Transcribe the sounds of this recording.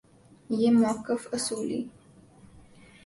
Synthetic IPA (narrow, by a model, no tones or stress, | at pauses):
jemokəfəsuːlḭ